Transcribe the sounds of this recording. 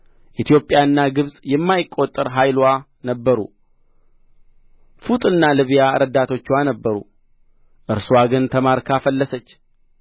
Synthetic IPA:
ʔit̪ʰjo̞pʼːjaɨnːaɡɨβsʼjɛmːajɪkʼːo̞t̪ʼːəɾɦajlwa | nəbːəɾṵ | fut̪ʼɨnːalɨβjaɾəd̪at̪ʰo̞t͡ʃːwanəbːəɾṵ | ʔɨɾswaɡɨnt̪ʰəmaɾkʰafəlːəsət͡ʃː

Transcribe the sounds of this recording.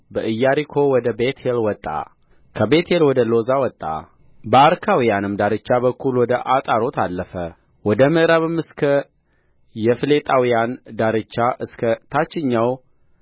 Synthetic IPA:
bəʔɨjːaɾikʰo̞wɔd̪əbet̪ʰelwɔt̪ʼːa̰ | kʰəbe̞t̪ʰelwɔd̪əlo̞zawɔt̪ʼːa̰ | bəaɾkʰawijanɨmd̪aɾɨt͡ʃːaβəkːulwɔd̪əʔat̪ʼaɾo̞t̪ʰalːəfə | wɔd̪əmɨʔɨɾaβɨmːɨskʰə | jɛfɨle̞t̪ʼawijand̪aɾɨt͡ʃːaʔɨskʰət̪ʰat͡ʃːɪɲːaw

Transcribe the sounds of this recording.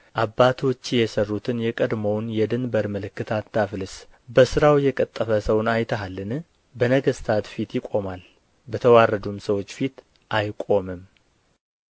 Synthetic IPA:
ʔabːat̪ʰo̞t͡ʃːjɛsərːut̪ʰɨnjɛkʼəd̪məwnjɛd̪ɨnbəɾmɨlɨkːɨt̪ʰat̪ʰːafɨlɨsbəsɨɾawjɛkʼət̪ʼːəfəsəwnajt̪ʰəɦalːɨn | bənəɡəst̪ʰat̪fit̪jɪkʷʼo̞mal | bət̪ʰəwarːəd̪umsəwo̞t͡ʃːfit̪ | ʔajkʼo̞mɨm

